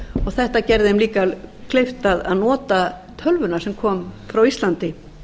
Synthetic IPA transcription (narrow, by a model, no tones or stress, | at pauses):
ɔɣθɛht̪acɛɾðɪɛmliːkakʰlejft̪aða̰ðnɔːt̪a | t̪ʰœlvʏnasɛmkʰɔːmfɾawist̪lant̪ɪ